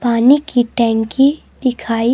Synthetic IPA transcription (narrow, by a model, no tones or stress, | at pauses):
paːnikiʈɛ̃ːŋki | d̪̥ɪkʰaːi